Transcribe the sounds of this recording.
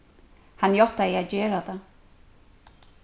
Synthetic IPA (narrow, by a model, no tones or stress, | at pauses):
hanjɔt̪aiaðd͡ʑɛːɾat̪a